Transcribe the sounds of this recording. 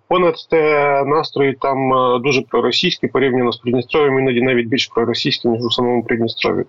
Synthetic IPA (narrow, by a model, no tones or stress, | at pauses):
ponɐt̪ʲt̪ɛnast̪ɾɔjɪt̪amd̪uʐɛpɾɔɾɔsʲijsʲkʲɪpɔɾʲivnʲɪnɔspɾʲɪd̪ʲnʲɪst̪ɾovʲɪmʲinadʲɪnaʋʲit̚ʲbʲilʲʂpɾɔɾɔsʲijsʲkʲɪnʲiʒusɐmomupɾʲɪd̪ʲnʲɪst̪ɾo̰ʋʲɪ̰